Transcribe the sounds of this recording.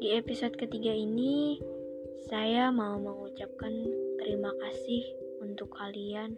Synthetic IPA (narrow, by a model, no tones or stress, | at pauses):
diepisɔt̪̚kət̪iɡaini | sajamauməŋut͡ʃap̚kant̪əɾimakasɪh | unt̪ʊkʰːalian